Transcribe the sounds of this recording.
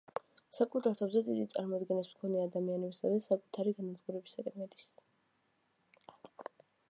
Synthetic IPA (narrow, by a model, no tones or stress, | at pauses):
sakʼut̪ʰaɾt̪ʰabzɛt̪ʼid̪it̪sʼa̰ɾmɔd̪ɡɛnasmkʰɔnɛad̪amianɛbisavɛsakʼut̪ʰaɾiɡanad̪ɡuɾɛbisakʼɾmɛt̪ʼi̥s